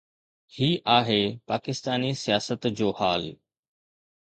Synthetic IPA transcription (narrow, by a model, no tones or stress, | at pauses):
hiːʔaːɦeːpaːkɪst̪aːnisijaːsət̪d͡ʑoːhaːl